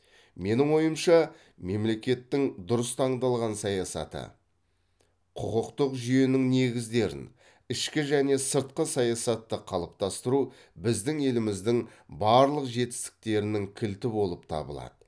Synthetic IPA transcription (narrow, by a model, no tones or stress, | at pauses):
me̞nɪŋo̞jəmʃɑ | me̞mle̞kʲe̞t̪ːɪŋd̪ʊɾəst̪ʰɑɴd̪ɑlˠʁɑnsɑjɑsɑ̰t̪ə̰ | qʰʊqʊqt̪əqʒʏje̞nɪŋne̞ɡʲɪzd̪e̞ɾɪ̰n | ɪʃkʲɪʒæne̞səɾt̪̚qəsɑjɑsɑt̪ːəqʰɑlˠəp̚t̪ɑst̪əɾu | bɪzd̪ɪŋe̞lɪmɪzd̪ɪŋbɑɾlˠəqʒe̞t̪ɪ̥st̪ɪ̥k̚t̪e̞ɾɪnɪŋkʲʰɪlt̪ɪbo̞lˠəp̚t̪ʰɑ̰bə̰lˠɑ̰d̪̥ə